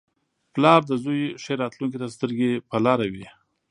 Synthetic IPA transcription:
plɑɾd̪əzujʂeɾɑt̪luŋk̬it̪ast̪əɾɡepəlɑɾawi

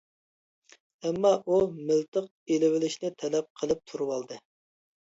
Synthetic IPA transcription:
ɛmːɑʔumɪlt̪ʰəq̚ | elɪwɪlɪʃnɪt̪ʰɛlɛp̚qʰəlˠɨp̚t̪ʰuɾuwɑlˠd̪ɨ

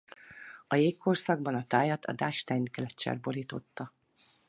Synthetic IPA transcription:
ɒjeːkːorsɒɡ̚bɒnɒt̪aːjɒt̪ʰɒ̰d̪aːʃt̪ɛjnkɛlɛtt͡ʃːɛ̰rboliːt̪o̞t̪ːɒ

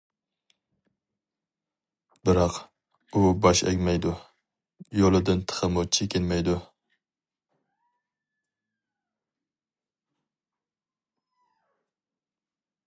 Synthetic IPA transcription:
bɪɾɑq | ubɑʃɛ̰ɡʲmɛjd̪u | jolˠɨd̪ɨnt̪ʰə̥qʰəmut͡ʃʰekʲɪnmɛjd̪u

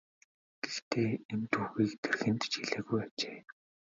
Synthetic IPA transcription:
ɡ̥ext̪ʰeːemt̪uːɣiːkt̪erxɘ̆nt̪t͡ɕiɮeːɣujat͡ɕeː

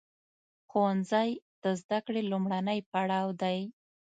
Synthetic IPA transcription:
xowanzajd̪̥əzd̪akɽelumɽanəjpaɽɑwd̪aj

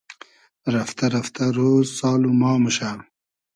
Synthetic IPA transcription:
ɾɐft̪ɐɾɐft̪aɾoːzsɑːlumɑːməʃal

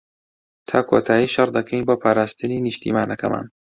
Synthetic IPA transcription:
t̪ʰaːkʰo̰t̪ʰaːjiːʃɐɾd̪ɐkʰejnboːpʰaːɾaːst̪ɨniniʃt̪ʰḭːmaːnɐkʰɐma̰ːn

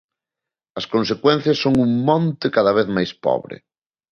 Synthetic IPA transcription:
ɐskõnsekwɛn̟θjɐsːoŋuŋmɔ̃nt̪ɪkaðɐβeθmajspɔ̰βɾɪ̰

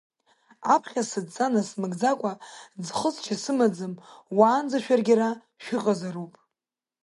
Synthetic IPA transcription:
apʰχʲasɨdt͡sʼanasmɨɡʼd͡zakʷʼad͡zχəzt͡ʃʰasɨmad͡zɨmwaːnd͡zaʃᶣarɡʲaɾa | ʃᶣɪqʼazaɾupʼ

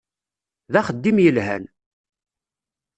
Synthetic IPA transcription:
ðæχəd̪ːimjəlɦæ̰n

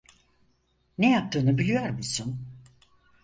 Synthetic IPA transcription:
nejap̚t̪ʰɯːnɯbilʲijoɾmusun

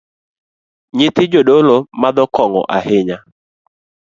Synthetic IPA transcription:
ɲɪt̪ɪd͡ʒodolomad̪ɔkɔŋɔ̰ʔahɪɲa

